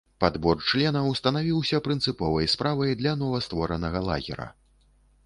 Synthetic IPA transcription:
pad̪bɔrt͡ʂlʲɛnɐwst̪ɐnavʲiwsʲɐpɾɨnt̪sɨpɔvɐjspɾavɐjd̪lʲɐnɔvɐst̪vɔɾɐnɐɣɐlˠa̰ɣʲɛ̰ɾɐ̰

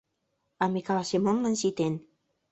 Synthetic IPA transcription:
ɑmekɑlɑsemomlansit̪en

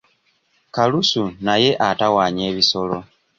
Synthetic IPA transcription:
kalusunaje̞ʔatawaːɲeːβiso̞lo̞

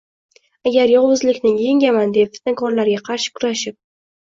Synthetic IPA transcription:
aɡʲaɾjɒʁʊzlɪkʲnɪŋjeŋɡʲamand̪epfɪ̥t̪̚nakʰɒɾlaɾɡʲaqʰɑɾʃɪ̥kʰʊɾaʃɪp̚

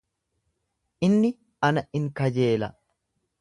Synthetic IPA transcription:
ʔɪnːɪ | ɐnɐɪŋkɐd͡ʒe̞ːlɐ̰

